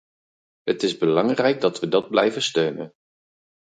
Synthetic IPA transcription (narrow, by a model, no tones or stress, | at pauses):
ɦətɪzbəlɑŋrɛjɡ̚dɑtʋədɑd̚blɛjvənstøɥnə̰n